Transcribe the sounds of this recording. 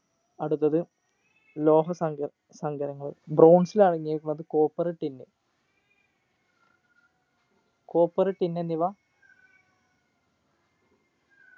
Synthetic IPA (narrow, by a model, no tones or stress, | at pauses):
ɐɽut̪ːɐðɨ | lo̞ːɦɐsɐ | sɐŋɡɐɾɐŋːɐɭɨbrowɳsilɐɻiɲːeːjkːumɐðɨko̞ːpːɐrɐʈːinːɨ | koːpːɐrɐʈːinːenːiʋa